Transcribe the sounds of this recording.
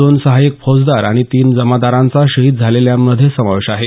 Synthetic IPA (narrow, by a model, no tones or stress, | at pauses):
oːnsəɦajik̚pʰod͡zd̪aɾaɽ̃it̪iːnd͡zəmad̪aɾãnt͡saɕəɦiːt̪̚d͡zʱaleljaməd̪ʱːjesəmaʋeɕaɦe